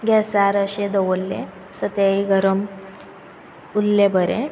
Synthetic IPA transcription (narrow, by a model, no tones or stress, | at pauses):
ɡɛsaɾəɕed̪əʋolːḛ | sət̪eiɡʱəɾəm | ulːebəɾḛ